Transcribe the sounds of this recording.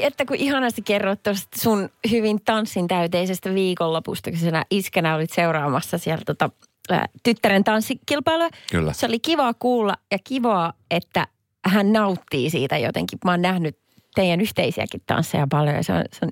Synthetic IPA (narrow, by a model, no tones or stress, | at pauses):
et̪ːækuʔihɑnɑst̪ikerːot̪t̪ːost̪sunhyʋint̪ɑnsːint̪æyt̪eisest̪æʋiːkolːopust̪ɑksenæ̰ʔiskænæolit̪seurɑːmɑsːɑsiælt̪ot̪ɑ̰ | t̪yt̪ːæɾent̪ɑnsːikilpɑiluekl̰ːseolikiʋɑːkuːlːɑjɑkiʋɑːet̪ːæ̰ | hænnɑut̪ːiːsḭːt̪æjo̰t̪ḛŋkimɑːnnæhnyt | t̪eijænyht̪eisiæ̰kit̪tɑ̰nsːḛjɑpɑljo̰jɑ̰seo̰nseon